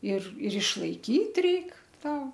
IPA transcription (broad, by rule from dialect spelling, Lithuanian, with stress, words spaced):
ɪr ɪr ɪʃlˠɐɪˈkʲiːt ˈrʲɛɪk ˈtɐ